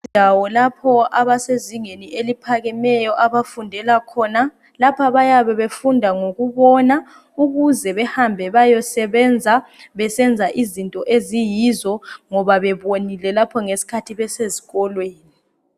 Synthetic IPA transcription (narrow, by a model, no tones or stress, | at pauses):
awɔlapʰɔaβaseziŋeniʔelipʰaɣɛmɛjɔʔaβafundʱɛlakʰɔːna | lapʰaβajaβɛβefundʱaŋoɣuβɔna | uɣuzɛβɛhambʱɛβajɔsɛβɛnd͡zʱaβɛsɛnd͡zʱaʔizintʼɔʔezijizɔŋɔβaβɛβonilɛlapʰɔŋesi̥kʰatʰiβɛseziɣɔlweːni